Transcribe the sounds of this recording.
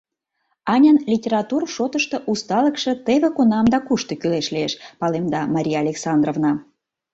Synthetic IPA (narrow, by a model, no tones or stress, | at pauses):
ɑnʲɑnlʲitʲeɾɑt̪urʃot̪əʃt̪ɤ̆ʔust̪ɑləkʃe̽t̪eβekonɑmd̪ɑkuʃt̪okyleʃlieʃpɑlemd̪ɑmɑɾʲijɑːlʲeksɑnd̪rovnɑ